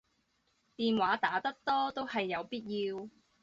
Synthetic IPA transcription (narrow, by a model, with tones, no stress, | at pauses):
t̪iː˨nwaː˨˥t̪aː˨˥t̪ɐ˥k̚t̪ɔː˥t̪o˥whɐ˨jːɐ˨˧wpiː˥t̚jiː˧w